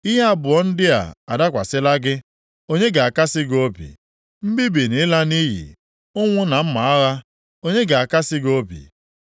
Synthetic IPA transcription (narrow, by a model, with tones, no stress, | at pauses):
i˦ɦa˦bʊ˨ɔ˦n̩˦dɪ˦a̰˨a̰˨da˦kʷa˨sɪ˦la˦ɡɪ˦ | o˦ɲe˦ɡa˨a˨ka˦sɪ˦ɡo˦pḭ˨ | m̩˦bi˦bi˨ni˨˦la˦ni˦ɦḭ˨ | ʊ˦ŋʷʊ˦na˨m̩˦ma˨˦a˦ɣa˦ | o˦ɲe˦ɡa˨a˨ka˦sɪ˦ɡo˦pḭ˨